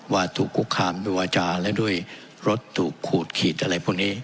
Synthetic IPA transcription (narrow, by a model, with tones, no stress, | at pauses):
waː˧t̪ʰuː˨˩kʰːu˦˥kʰːaː˧mdu˧˩waː˧t͡ɕaː˧lɛ˦˥du˥˩əj | ɾo˦˥t̪ʰːuː˨˩kʰːuː˨˩t̪̚kʰiː˨˩t̪̚ʔa˧ɾa˧jpʰuː˥˩ŋniː˦˥